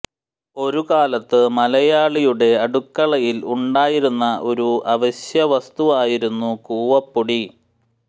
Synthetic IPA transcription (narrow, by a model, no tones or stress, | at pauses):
o̞ɾukaːlɐt̪ːɨmɐlɐjaːɭijuɽe̞ɐɽukːɐɭɐjiluɳɖaːjiɾunːɐʔo̞ɾuʔɐʋɐɕjɐʋɐst̪uʋaːjiɾunːukuːʋɐpːoɽi